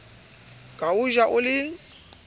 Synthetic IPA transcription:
kʼauʒaʔʊlɪ

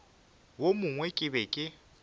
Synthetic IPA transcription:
womʊŋwɛkʼɪbɛkʼɪ

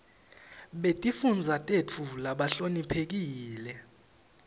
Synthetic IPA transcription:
ɓetʼifund͡zʱatʼet͡fʰulaɓaɬonipʰek̬iːlɛ

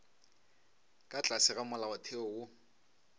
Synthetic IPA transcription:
kʼat͡ɬʼasɪɣamʊlaʊtʰeɔwʊ

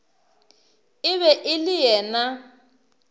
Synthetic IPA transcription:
ɪβɛʔɪlɪjɛːna

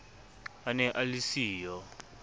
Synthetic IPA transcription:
anɛʔalisiːjɔ

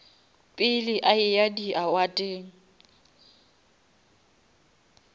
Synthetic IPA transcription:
pʼɪlɪʔaɪjadiawatʼeːŋ̩

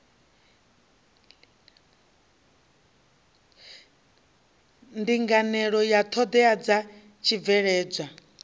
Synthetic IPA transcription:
ndiŋɡanɛɺɔjat̪ʰɔd̪ɛad͡za | t͡ʃʰib̪vɛɺɛːd͡zʷa

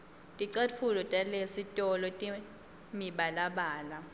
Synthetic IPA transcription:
tʼiǀat͡fʰulɔtʼalesitʼɔlɔtʼi | miɓalaɓaːla

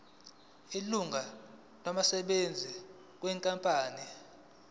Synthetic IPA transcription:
iluŋɡʱa | nwamasɛɓend͡zʱi | k̬wɛŋkʼampʼaːni

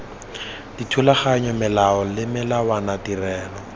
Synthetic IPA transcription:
d̥itʰulaχaɲɔmɪlaɔlɪmɪlawanadirɛːlɔ

